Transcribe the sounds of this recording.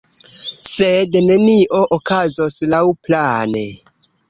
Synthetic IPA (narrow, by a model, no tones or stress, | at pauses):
sedne̞niʔo̞ʔokazo̞slawplane